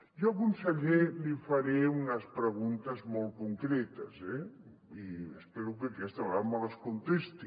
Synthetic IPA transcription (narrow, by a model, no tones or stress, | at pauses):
ʒoɐkunsəʎelifɐɾeunəspɾəɣunt̪əzmɔlˠkuŋkɾɛt̪əzɛ | iəspeɾukəkɛst̪awɾamaləskunt̪est̪i